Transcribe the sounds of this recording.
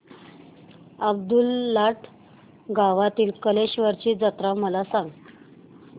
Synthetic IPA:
əb̚d̪ulːaʈʰ | ɡaʋat̪iːlkəleɕʋəɾt͡ɕiːd͡zət̪ɾaməlasaŋɡ

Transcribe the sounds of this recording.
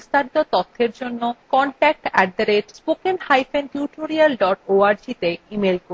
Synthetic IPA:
ist̪aɾit̪ot̪ɔt̪ʰːeɾd͡ʑonːokɔɳʈɛk̚ʈɛɖd̪aɾeʈspokenhajfenʈjuʈoɾialɖɔʈoaɾd͡ʑit̪eimelko

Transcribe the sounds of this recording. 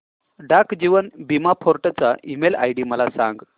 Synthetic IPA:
ɖakd͡ʑiʋənbimapʰoɾʈat͡saʔimela̰jɽiməlasã̰ŋɡ

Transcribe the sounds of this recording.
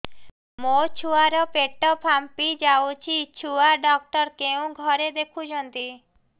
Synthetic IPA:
mot͡ʃʰuaɾɔpeʈːɔpʰampid͡ʒawt͡ʃʰit͡ʃʰuaɖɔk̚ʈɔɾkeũɡʱɔɾed̪ekʰud͡ʒʰɔnt̪i

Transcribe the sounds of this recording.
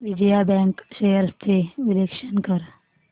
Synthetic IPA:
ʋɪd͡ʒəjabɛ̃ːŋkʃejəɾst̪ʰeʋɪlekʃənkəɾ

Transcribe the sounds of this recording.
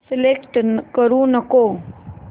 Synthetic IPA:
sɪlekʈnkəɾũnəkoː

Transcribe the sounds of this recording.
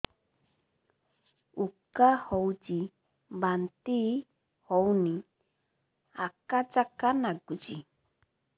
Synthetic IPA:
ukahowd͡ʒi | bant̪i | hɔwnĩ | akad͡ʒakanaɡud͡ʒi

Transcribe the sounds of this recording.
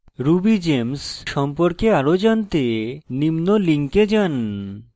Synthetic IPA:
ɾubid͡ʑemsʃɔmpoɾkeaɾod͡ʑant̪enimnoliŋked͡ʑan

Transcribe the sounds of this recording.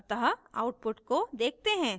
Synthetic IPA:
t̪əɦaːʊʈ̚pʊʈkod̪eːk̚t̪eɦɛ̃ː

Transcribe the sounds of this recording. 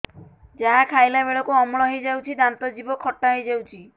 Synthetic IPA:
d͡ʒaɦakʰajlaβeɭɔkuɔmɭɔɦejd͡ʒawt͡ʃʰid̪ant̪ɔd͡ʒibɔkʰːɔʈːaɦejd͡ʒawt͡ʃʰi

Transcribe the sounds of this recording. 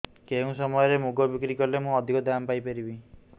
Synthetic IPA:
keũsɔmɔjɔɾemuɡɔbikɾikɔɾlemũɔd̪ʱikɔd̪ʱampajpeɾibi

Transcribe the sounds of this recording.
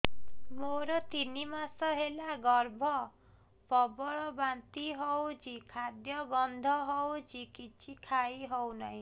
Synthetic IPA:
moɾʌt̪inimasʌɦelaɡʌrbʱʌ | pʌbʌɭʌbãnt̪iɦʌwd͡zikʰad̪jʌɡʌnd̪ʱʌɦʌwd͡zikit͡sikʰajɦʌwnʌj̃

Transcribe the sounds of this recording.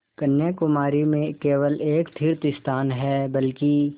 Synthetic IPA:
kɐnjakʊmaːɾimẽkeːwəleːkt̪ʰiːɾt̪ɪst̪ʰaːnɦɛbɐlki

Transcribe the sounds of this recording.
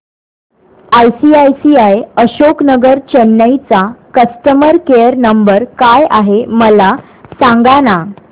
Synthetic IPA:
ajsiajsiajəɕoknəɡəɾt͡ɕənːəjt͡sakəstəməɾkejəɾnəmbəɾkajaɦeməla | sãŋɡana

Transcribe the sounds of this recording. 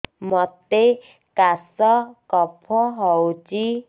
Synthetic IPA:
mɔt̪e | kasɔkɔpʰɔɦɔwt͡ʃi

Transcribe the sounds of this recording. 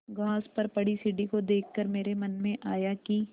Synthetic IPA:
ɡaːspɐɾpɐɽisɪɖikod̪eːkʰːɐɾmeːɾemɐnmẽʔaːjaki

